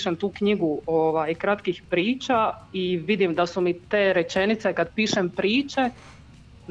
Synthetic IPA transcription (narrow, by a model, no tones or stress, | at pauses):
ʃemt̪uːkɲiɡuoʋajkɾat̪kixpɾiːt͡ʃaiʋid̪imd̪asumit̪eːɾe̞t͡ʃe̞nit̪sekad̪piːʃempɾiːt͡ʃe̞